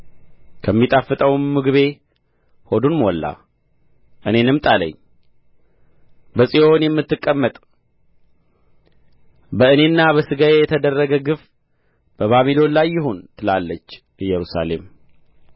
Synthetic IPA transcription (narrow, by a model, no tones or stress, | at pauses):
kʰəmːit̪ʼafːɨt̪ʼəwmːɨɡβe̞ | ho̞d̪unmwɔlːa̰ | ʔɨne̞nɨmt̪ʼalə̰ɲː | bəsʼijonjɛmːɨt̪ːɨkʼːəmːət̪ʼ | bəɨne̞nːaβəsɨɡajejɛt̪ʰəd̪ərːəɡəɡɨf | b̥əβamilo̞nlajːɪɦont̪ʰɨlalːət͡ʃː | ɨjɛɾusa̰le̞̰m